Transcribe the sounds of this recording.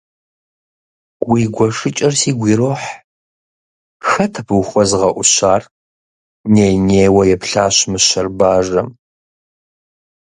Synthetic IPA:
wiːɡʷɔʂɨt͡ʃʼɐrsiːɡʷiːɾoːħ | xɐtʰɐpʰwxʷɔzʁɐʔʷʊɕaːr | neːjneːwɐjɛpɬaːɕmɨɕɐrbaːʐɐm

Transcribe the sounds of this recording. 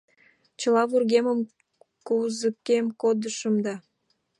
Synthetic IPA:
t͡ɕə̆lɑβurɣeməm | kuzəkːemkod̪əʃəmd̪ɑ

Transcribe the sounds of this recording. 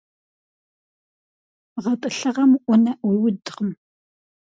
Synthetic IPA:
ʁɐtʼɨɬɨʁɐmʔʷʊnɐʔʷɔwʊdʁəm

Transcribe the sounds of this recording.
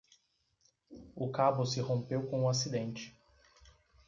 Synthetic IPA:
ʊkabʊsɪhõpewkõʊasid̪ẽnt͡ʃɪ̥

